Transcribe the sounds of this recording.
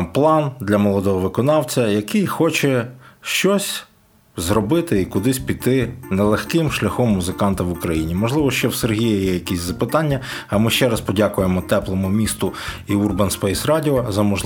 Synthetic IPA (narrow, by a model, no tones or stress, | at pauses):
plˠɑnd̪lʲɐmɔlˠɔd̪ɔɦɔʋɪkɔnɑwt͡sʲɐjɐkɪjxɔt͡ʃɛʃt͡ʃɔsʲ | zɾɔbɪt̪ɪikʊd̪ɪsʲpʲit̪ɪnɛlˠexkɪmʃlʲɐxɔmːuzɪkɑnt̪ɐʋʊkɾɐjinʲimɔʒlˠɪʋɔʃt͡ʃɔwserɦʲijɐjɛjɐkisʲzɐpɪt̪ɑnʲːɐɐmɪʃt͡ʃɛɾɐspɔdʲakʊjemɔt̪ɛplˠɔmʊmʲist̪ʊiurbɐnspɛjsrɑdʲiɔzɐmɔʒ